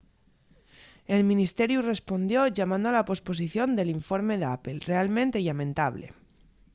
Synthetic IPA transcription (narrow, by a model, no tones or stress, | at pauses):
e̞lmĩnist̪e̞ɾjure̞spo̞nd̪jo̞ʝamãnd̪oalapo̞spo̞s̬iθjo̞nd̪e̞liɱfo̞ɾme̞ðeape̞lre̞almẽ̞nt̪e̞ilamẽ̞nt̪aβle̞̰